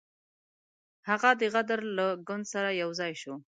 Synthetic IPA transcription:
haɣad̪əɣad̪aɾlaɡʊnd̪saɾajawzɑjʃo

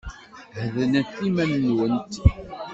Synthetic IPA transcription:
hðənət̪ːimænːwənt̪

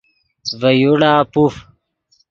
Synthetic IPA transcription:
vɐjuɽaːpuf

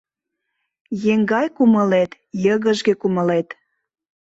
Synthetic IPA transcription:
jeŋɡɑjkumə̆let̪ | jəɣəʒɣĕkumə̆let̪

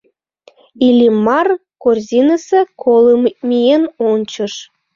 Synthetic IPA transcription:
ilʲimɑrkorzʲinəsĕkʰolˠɤmʲijenont͡ɕɤ̆ʃ

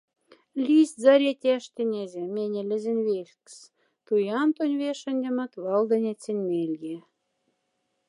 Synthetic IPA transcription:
lʲiszɑɾʲet̪ʲæʃt̪ʲĕnʲezʲĕmenʲĕlʲɘ̆zɘ̆nβeʃks | t̪ujɑnt̪onʲβeʃə̆nʲdʲĕmɑ̆t̪βɑld̪ɤ̆nʲet͡sĕnʲmelʲje

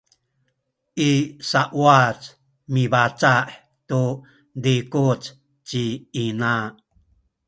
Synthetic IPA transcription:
ʔisaʔwat͡s | mibat͡saʔ | t̪u | d̪ikut͡s | t͡ʃiːna

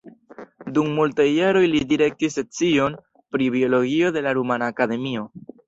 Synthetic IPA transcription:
dumːultajːaɾo̞jlidiɾe̞k̚tise̞t͡sio̞n | pɾibio̞lo̞ɡio̞de̞laɾumanaːkade̞mio̞

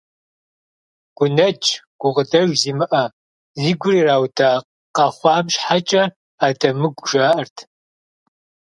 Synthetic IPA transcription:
ɡ̥ʷʊnɐt͡ʃʼɡ̥ʷʊʁədɐʒziːmɨʔɐ | ziːɡʷʊriːraːwdaː | qɐχʷɑːmʃħat͡ʃʼɐ | aːdɐmɨɡʷʒaːʔɐrtʰ

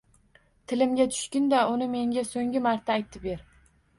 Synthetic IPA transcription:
t̪ʰɪlɪmɡʲat̪ʰʊ̥ʃkʲɪnd̪aʊnɪme̞ŋɡʲasoŋɡʲɪmaɾt̪ʰaːjt̪ʰɪ̥peɾ

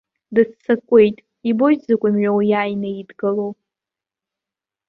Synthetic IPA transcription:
dɨt͡st͡sːakʷʼe̞jtʼ | ibojzakʷʼimɥʷᶣawjaːjnajidɡɨlow

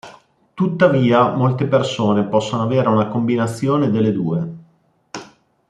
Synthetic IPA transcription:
t̪ut̪ːaviːamolt̪epersoːnepɔsːonoaveːɾeunakombinat̪sːjoːned̪elːed̪uːe

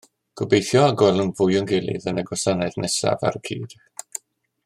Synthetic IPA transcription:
ɡ̥ʊbejθjɔaɡɔlˠʊnvʊjʊŋɡɪlˠɪ̰ðənaɡwɔsanɛðnʔɛsa̰va̰ɾəkʰḭːd̥

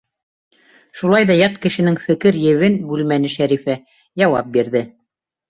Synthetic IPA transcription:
ʃulˠɑjðɑjɑt̪kɘ̆ʃɘ̆nɘŋfɘ̆kɘɾjɘ̆wɘnbʉlmænɘʃæɾifæ | jɑwɑp̚biɾðɘ

